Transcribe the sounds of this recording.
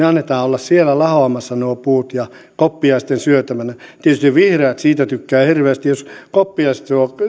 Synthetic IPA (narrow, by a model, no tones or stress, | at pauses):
eɑnːet̪ɑːolːɑssielælɑhoɑmɑsːɑnuopuːt̪jɑ | kopːiɑist̪ensyøt̪æmænæt̪iet̪yst̪iʋʋihreɑt̪siːt̪æt̪ykːæːhirʋeːst̪ijjoskopːiɑise̥t̪suo